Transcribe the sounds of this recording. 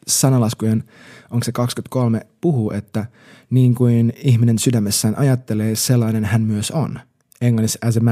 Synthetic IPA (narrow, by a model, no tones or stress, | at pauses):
sɑnɑlɑskujen | ʔoŋksekɑkskynt̪̚ko̞lmepuɦuːʔet̪ːæ | niːŋkujniçmine̞nsydæmːesːæːnʔɑjɑt̪ːeleːselːɑinenhænmyøso̰n | eŋlɑnːisæs̬em